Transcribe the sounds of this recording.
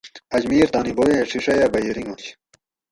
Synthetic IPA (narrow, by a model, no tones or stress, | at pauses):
ɐd͡ʑmiːɾt̪aːnibowẽʂiʂɐjɐbɐjeɾiŋɡoɕ